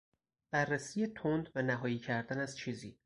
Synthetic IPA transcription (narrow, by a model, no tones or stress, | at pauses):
b̥ærːæsiːjet̪ʰond̪vænæɦɒːjiːcʰæɾd̪ænæz̥t͡ʃʰiːzḭː